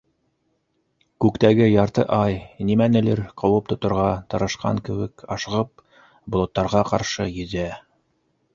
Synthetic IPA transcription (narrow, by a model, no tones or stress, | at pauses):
kʉkt̪æɡɘjɑɾt̪ɤ̰ʔɑjnimænɘ̆lɘɾqɤ̆wɤp̚t̪ŏt̪ŏɾʁɑt̪ɤ̆ɾɤ̆ʃqɑ̰ŋkɘ̆wɘkɑʃɤʁɤp̚ | bŏlˠot̪ːɑɾʁɑqɑ̰ɾʃɤjɘ̆zæ